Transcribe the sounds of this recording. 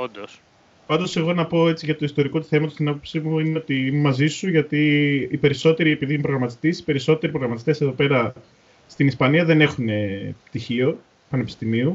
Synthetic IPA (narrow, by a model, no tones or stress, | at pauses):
ond̪os | pɐnd̪o̞se̞ɣo̞nɐpo̞e̞t͡siʝɐt̪oist̪o̞ɾiko̞t̪u̥θe̞mɐt̪ost̪inɐpo̞psimuineo̞t̪iimemɐzisuʝɐt̪iːpe̞ɾiso̞t̪e̞ɾie̞piðimpɾo̞ɣɾɐmɐt̪i̥st̪esi̥pe̞ɾiso̞t̪e̞ɾipɾo̞ɣɾɐmɐt̪i̥st̪ese̞ðo̞pe̞ɾɐ | st̪inispɐniɐðene̞xune̞pt̪içio̞ | pɐnepi̥st̪imiu